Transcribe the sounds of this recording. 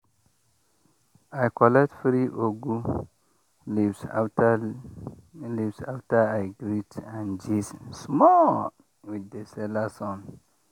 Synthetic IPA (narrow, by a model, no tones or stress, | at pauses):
ajkɔlɛk̚tfɾiʔoɡu | livs | livsaftaaɪɡɾitãnd͡ʒissmɔ | widəsɛlasɔ̃n